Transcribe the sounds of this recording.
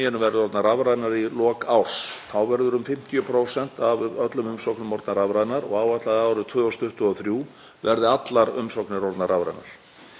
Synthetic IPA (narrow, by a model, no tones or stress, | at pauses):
ɛnʏmvɛɾðɪɔɾt̪naɾavɾaðnaɾilɔːkawr̥sθawvɛɾðʏɾʏmfɪm̥t̪jʏpʰɾoːwsɛn̥t̪avœt̪lʏmʏmsɔwknʏmɔɾt̪naɾavɾaðnaɾɔ̰ɣaːwat̪laðɪaːwɾʏt̪ʰvœːɔst̪ʰʏht̪ʏɔθɾjuː | vɛɾðɪat̪laɾʏmsɔwknɪɾɔɾt̪naɾavɾa̰ðna̰ɾ̥